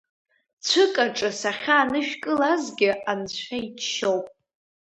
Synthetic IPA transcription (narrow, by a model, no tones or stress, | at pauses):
t͡ɕʷʰɨkʼaʈ͡ʂʼɨsaχʲaːnɨʃᶣkʼɨlazɡʲɪʔant͡ɕʷʰait͡ʃʰʃowpʼ